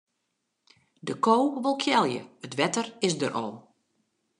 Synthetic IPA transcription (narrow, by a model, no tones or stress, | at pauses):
dəkoːʋolˠkʰjɛlˠjə̰ətʋɛtərɪsdəɾʔɔ̰lˠ